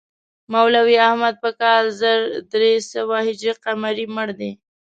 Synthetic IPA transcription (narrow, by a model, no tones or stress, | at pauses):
mawlawiahmad̪̚pəkɑlzəɾd̪ɾesəwahɪd͡ʒɾiqamaɾiməɽd̪e